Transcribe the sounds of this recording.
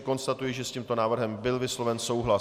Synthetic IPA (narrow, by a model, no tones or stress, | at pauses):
ko̞nst̪at̪ujɪʒɛsciːmt̪o̞naːvr̩ɦɛmbɪlvɪslo̞vɛnso̞wɦla